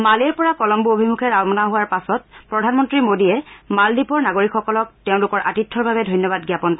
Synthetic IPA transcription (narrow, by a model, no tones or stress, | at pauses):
maleɹpɔɹakɔlɔmbuobʱimukʰɛɹaɔmɔnaɦʊwaɹpasɔt̚pɹɔdʱanmɔntɹimodijɛmaldipɔɹnaɡoɹikxɔkɔlɔk̚teʊ̃lʊkɔɹʔatitʰːɔɹbabɛdʱojnjɔbad̚ɡjapɔnkɔ